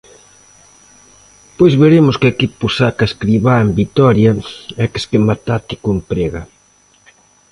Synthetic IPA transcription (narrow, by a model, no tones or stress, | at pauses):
pojzβeɾemʊskekipusakaeskɾiβaembit̪ɔɾjɐɛke̥skemat̪at̪ɪkompɾeɣɐ